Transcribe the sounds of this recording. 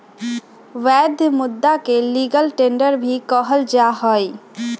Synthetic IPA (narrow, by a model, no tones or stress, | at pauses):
ʋɛd̪ʱmʊd̪ːakeliɡəlʈeɳɖəɾbʱikəɦəld͡ʒaɦəj